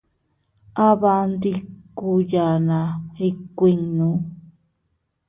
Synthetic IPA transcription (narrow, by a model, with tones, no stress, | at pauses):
a˦βa˧nd̪i˧ku˧ja˨na˨ɾi˧kʷi˧ŋnũ˦